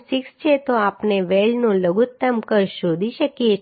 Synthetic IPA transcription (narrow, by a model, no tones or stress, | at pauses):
sikst͡ʃʰet̪oapneʋelnũləɡut̪ːəmkəɾʃod̪ʱiʃəkje